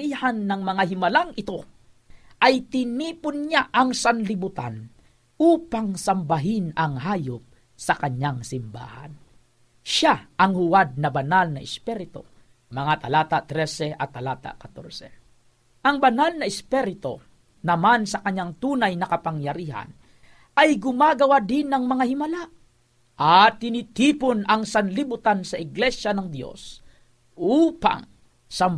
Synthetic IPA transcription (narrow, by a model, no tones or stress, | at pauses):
iːhanːɐŋmɐŋahɪmɐlaŋɪt̪o̞ | ʔɐjt̪ɪniːpʊnɲaʔɐŋsɐnlɪbʊt̪an | ʔuːpaŋsɐmbɐɦɪnɐŋhaːjop̚ | sɐkɐɲːaŋsɪmba̰ːha̰n | ʃaʔɐŋhʊwad̪̚nɐbɐnalnɐʔɛspɛɾɪt̪o̞̰ | mɐŋat̪ɐlaːt̪aʔt̪ɾɛsɛʔɐt̪ːɐlaːt̪a̰kɐt̪oɾsɛ | ʔɐŋbɐnalnɐʔɪspɛɾɪt̪o̞̰ | nɐmansɐkɐɲːaŋt̪uːnɐjnɐkɐpɐŋjɐɾiːɦɐ̰n | ʔɐjɡʊmaːɡɐwad̪ɪnːɐŋmɐŋahɪmɐla | ʔɐt̪ːɪnɪt̪iːponɐŋsɐnlɪbʊt̪ansɐʔɪɡlɛʃjɐnɐŋd̪jo̞̰s | ʔuːpa̰ŋ | sɐm